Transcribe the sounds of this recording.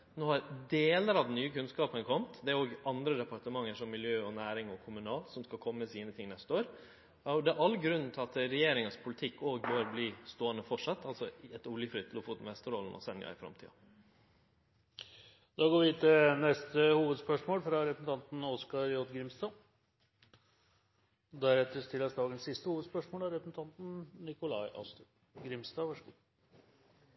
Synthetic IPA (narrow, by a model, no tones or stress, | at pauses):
noːhɑɾd̪eːləɾɑʋd̪ɛnyːəkʰʉnskɑːpənkʰɔmt̪d̪ɛæɾoːɡʔɑnd̪ɾəd̪ɛpɑʈ̪əmɑŋːəʂɔmːɪljøːɔnæːɾɪŋɔkʰʊmʉnɑːlsɔmskɑkʰɔmːəmɛsiːnət̪ʰɪŋnɛst̪əoːɾ | ɔd̪ɛæɾʔɑlːɡɾʉnːnt̪ʰɪlɑt̪ɾɛjeːɾɪŋənspʰʊlɪt̪ʰɪkːoːɡbøːɾbliːst̪oːənəfɔʈʂɑt̪ːɑlsɔɛt̪ʊljəfɾɪt̪ʰːlʊfuːt̪nʋɛst̪əɾɔlnʔɔ̰sɛnjɑ̰ɪfɾɑ̰mt̪ʰḭːɑ̰ | d̪̥ɑːɡoːɾʋɪt̪ʰɪlnɛst̪əhuːʋəd̪spœʂmoːlfɾɑɾɛpɾəsn̩t̪ɑnt̪n̩ɔskɑɾjɔt̪ɡɾɪmsd̪ɑː | d̪æɾɛt̪ːəst̪ɪlːəsd̪ɑːɡənsːɪst̪əhuːʋəd̪spœʂmoːlæɾɛpɾəsn̩t̪ʰɑnt̪nnɪkʊlɑɪʔɑ̰st̪ | ɡɾɪmsd̪ɑːʋɑʂɡu